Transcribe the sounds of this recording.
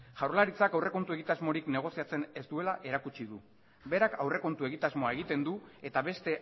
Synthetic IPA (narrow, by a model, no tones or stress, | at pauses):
ʝawɾlaɾit͡sakawre̞ko̞nt̪ue̞ɣit̪azmo̞ɾikne̞ɣ̞o̞siat͡se̞ne̞zd̪ue̞laʔe̞ɾakut͡ʃiðu | be̞ɾakʰawre̞ko̞nt̪ue̞ɣit̪azmoaeɣ̞it̪e̞nd̪ue̞t̪aβe̞st̪e̞